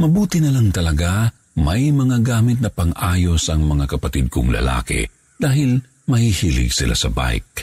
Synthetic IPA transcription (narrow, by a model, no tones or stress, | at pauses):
mɐbuːt̪ɪnɐlaŋt̪ɐlɐɡa | mɐjmɐŋaɡaːmɪt̪̚nɐpɐŋʔaːjo̞sɐŋmɐŋakɐpɐt̪id̪̚kʊ̰ŋlɐ̰la̰ːkɛ̰ | d̪̥aːɦɪl | mɐhihiːlɪ̰ɡsɪlʔa̰sɐba̰jk̚